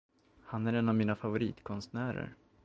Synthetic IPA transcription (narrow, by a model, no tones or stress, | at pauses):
hanæɾɛnavmiːnafavʊɾḭːt̪kʰɔnst̪̚næːɾə̰ɾ